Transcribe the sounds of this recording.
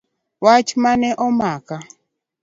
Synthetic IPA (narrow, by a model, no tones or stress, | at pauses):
wat͡ʃmanɛʔɔmaka